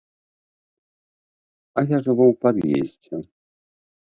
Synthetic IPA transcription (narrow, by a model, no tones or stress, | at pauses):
ajaʐɛvɔwpad̪jḛzʲd͡zʲɛ